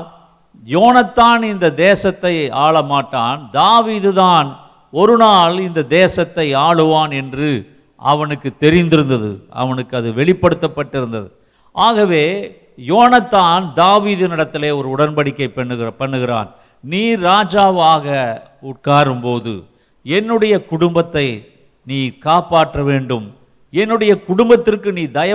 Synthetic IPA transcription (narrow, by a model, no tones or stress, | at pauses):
joːnɐt̪ːaːnɪnd̪ɐd̪eːsɐt̪ːɐɪaːɭɐmaːʈːaːnd̪aːʋiːðɯðaːn | ɔɾɯnaːlɪnd̪ɐd̪eːsɐt̪ːɐɪaːɭɯʋaːnɛndrɯ | ɐ̰ʋɐnɯkːɯt̪ːɛɾɪnd̪ɪɾɯnd̪ɐðɯ̰ɐ̰ʋɐnɯkːɐðɯʋɛɭɪpːɐɽɯt̪ːɐpːɐʈːɪɾɯnd̪ɐ̰ðɯ̰ | ʔaːɣɐʋeː | joːnɐt̪ːaːnd̪aːʋiːðɯnɪɽɐt̪ːɪleːɔɾɯʊɽɐnpɐɽɪkːɐɪpːpɐɳːɯɣɪra̰ːn | niːɾːaːd͡ʒaːʋaːɣɐ | ʊʈ̚kaːɾɯmpoːðɯ̰ | ɛnːɯɽɐjɐkʊɽʊmbɐt̪ːɐɪ | niːkaːpaːʈrɐʋeːɳɖɯm | ɛnːɯɽɐjɐkʊɽʊmbɐt̪ːɪrkɯniːd̪ɐjɐ